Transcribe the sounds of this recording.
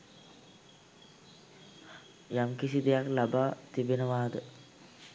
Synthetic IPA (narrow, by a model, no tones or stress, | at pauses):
jamkisid̪ejaklabaːt̪ibenəʋaːd̪ə